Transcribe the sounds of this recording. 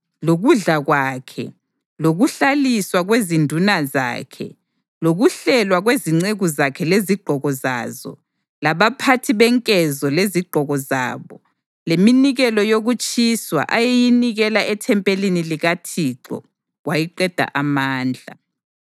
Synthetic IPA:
loɣuɮaɣwakʰɛ̰ | loɣuɬaliswaɣwezindʱunaza̰ːkʰɛ̰ | loɣuɬɛlwaɣweziŋ͡ǀeɣuzakʰɛleziɡ͡ǃʱɔɣɔza̰ːzɔ̰ | laβapʰatʰiβɛŋkʼɛzɔleziɡ͡ǃʱɔɣɔza̰ːβɔ | leminiɣɛlɔjoɣut͡ʃʼiswa̰ʔajejiniɣɛlaʔɛtʰɛmpʼeliniliɣatʰiǀɔ̰ | ɣwajiǃɛd̥ʱa̰ʔamaːnd͡ɮʱa̰

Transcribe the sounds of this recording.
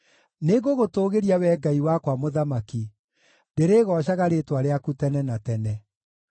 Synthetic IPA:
neɣoɣotoːɣeɾiawɛɡaiwakwamoðamaki | deɾeːɣɔɕaɣaɾetwaɾeakutɛnɛnatɛnɛ

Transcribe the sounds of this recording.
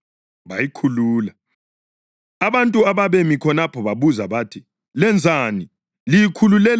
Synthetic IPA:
βajikʰuluːla | aβantʼuaβaβemikʰɔnapʰɔβaβuzaβatʰi | lɛnd͡zʱaːni | lijikʰululɛl

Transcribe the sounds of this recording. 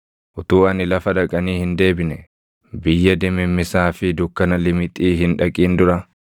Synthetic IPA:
ʔʊt̪uːɐnɪlɐfɐᶑɐkʼɐniːhɪnd̪e̞ːbɪnɛ | bɪjːɐd̪ɛmːɪmːɪsaːfɪd̪ʊkːɐnɐlɪmɪt̪ʼiːɦɪnᶑɐkʼiːnd̪ʊɾɐ

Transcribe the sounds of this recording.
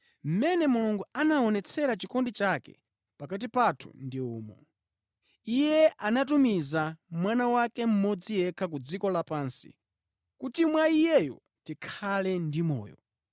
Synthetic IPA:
m̩mɛnɛmuluŋɡuanaɔnɛt͡sʰɛɾat͡ʃikɔndit͡ʃakɛ̰ | pakat̬ipatʰu̥̰ndiṵːmɔ̰ | ijɛʔanat̬umizamwanawakɛm̩mɔd͡zijɛkʰakud͡zikɔlapansḭ | kutimwaijɛjɔ̰ | tikʰalɛndimɔ̰ːjɔ̰

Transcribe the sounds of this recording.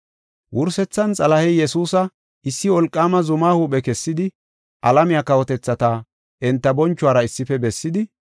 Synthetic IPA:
wʔʊɾsɛt͡sːɐnt͡sʼɐlɐhɛjɛsuːsɐ | ɪsːɪɔlkʼːaːmɐzʊmaːhuːɓɛkɛsːɪd̪ɪ | ʔɐlɐmɪjaːkɐwɔt̪ɛt͡sːɐt̪a | ʔɛnt̪ːɐbɔnt͡ʃːʊwaːɾɐɪsːɪfɛbɛsːɪd̪ɪ

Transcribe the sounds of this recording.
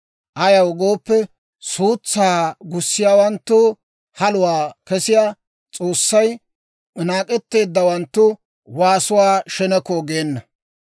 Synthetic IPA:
ʔɐjɐwɡoːpːɛ | suːt͡sːaːɡʊsːɪjaːwɐnt̪ːʊ | hɐlʊwaːkɛsɪjaː | t͡sʼo̞ːsːɐj | naːkʼɛt̪ːe̞ːd̪ːɐwɐnt̪ːʊ | waːsʊwaːʃɛnɛkːoɡeːnːɐ

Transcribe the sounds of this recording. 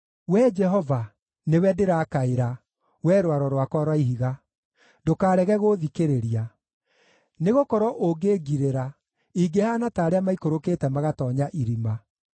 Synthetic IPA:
wɛd͡ʒɛɦɔva | newɛdeɾakaeɾa | wɛɾwaɾɔɾwakɔɾwaiɦiɣa | dokaːɾɛɣɛɣoðikeɾeɾia | neɣokɔɾɔʔoɡeɡiɾeɾa | iɡehanataːɾeamaikoɾoketɛmaɣatɔɲaʔiɾima

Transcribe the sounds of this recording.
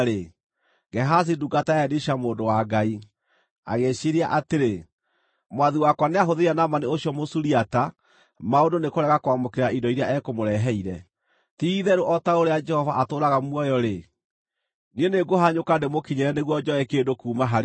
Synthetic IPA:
e | ɡɛɦas̬iduɡataɛdeɕamoːndowaɡai | a̰ɣeɕeɾiaʔateɾe | mwaðiwakwaneaɦoðeianamaneoɕjɔmosuɾiata | maondonekoɾɛɣakowamokeɾaʔidɔiɾeaɛkomoɾɛɦɛiɾɛ | tiðɛɾoʔɔtaoɾead͡ʒɛhɔvaʔatoːɾaɣamwɔjɔɾe | nieneɡoɦaɲokandemokiɲɛɾɛneɣwɔd͡ʒɔɛkeːndokuːmaɦaɾ

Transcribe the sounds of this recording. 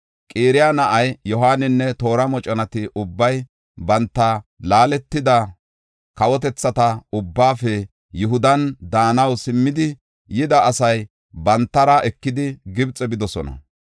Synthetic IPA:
kʼeːɾɪjanɐʔɐjjɔɦaːnːɪnːɛt̪o̞ːɾɐmɔt͡ʃʼɐnɐt̪ɪʔʊbːɐj | bɐnt̪ːɐlaːlɛt̪ːɪd̪ɐ | kɐwɔt̪̬ɛt͡sːɐt̪ɐʊbːaːfɛ | jʊɦʊd̪ɐnd̪aːnɐwsɪmːɪd̪ɪ | jɪd̪ɐːsɐj | bɐnt̪ːɐɾɐʔɛkːɪd̪ɪɡɪbt͡sʼɛbɪd̪ɔsɔnɐ̰

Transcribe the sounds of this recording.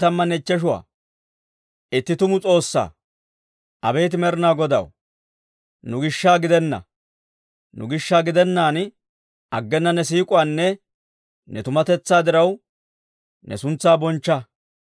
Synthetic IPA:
ɐmːɐnɛt͡ʃːɛʃ̬ʊwa̰ː | ɪt̪ːɪt̪ʊmʊt͡sʼo̞ːsːa̰ː | ʔɐbe̞ːt̪̬ɪmɛɾnaːɡɔd̪ɐ̰w | nʊɡɪʃːaːɡɪd̪ɛnːɐ̰ | nʊ̰ɡɪʃːaːɡɪd̪ɛnːaːn | ɐɡːɛnːɐnɛs̬iːkʼʊwanːɛ | nɛt̪ʊmɐt̪ɛt͡sːaːd̪ɪɾɐw | nɛ̰sʊnt͡sːaːbɔnt͡ʃːɐ

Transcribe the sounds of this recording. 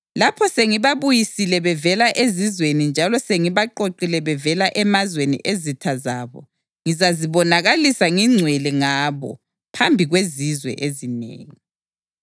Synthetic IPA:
lapʰɔseŋiβaβujisilɛβɛvɛlaʔezizwenind͡ʒʱalɔseŋiβaǃoǃilɛβɛvɛlaʔɛmazwenḭʔezitʰazaːβɔ̰ | ŋizaziβɔnaɣalisaŋiŋ͡ǀʱwɛlɛŋaːβɔ̰ | pʰambʱiɣwezizwɛ̰ʔezinḛːŋi

